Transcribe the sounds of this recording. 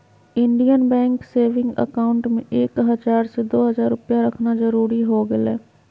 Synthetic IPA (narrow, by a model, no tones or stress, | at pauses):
ɪ̃ɳɖijənbɛ̃ːŋkseːʋɪ̃ŋɡə̰kaːʊ̃ɳʈmẽʔeːkɦəd͡ʒaːɾsed̪oːɦəzaːɾʊpjaɾəkʰnazəɾuːɾiɦoːɡəlɛː